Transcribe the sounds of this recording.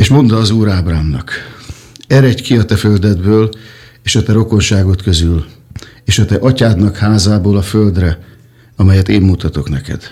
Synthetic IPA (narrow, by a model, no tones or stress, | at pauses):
eːʃmo̞nd̪ɒːzuːɾaːbraːmnɒ̰k | ɛɾɛckiɒt̪ɛføld̪ɛd̪bøːl | eːʃɒt̪ɛɾo̞ko̞nʃaːɡo̞t̪kø̞zyleːʃɒt̪ɛʔɒcaːd̪nɒkhaːzaːboːlɒføld̪rɛ | ɒmɛjɛt̪eːmːut̪ɒt̪o̞knɛkɛ̰d̪̥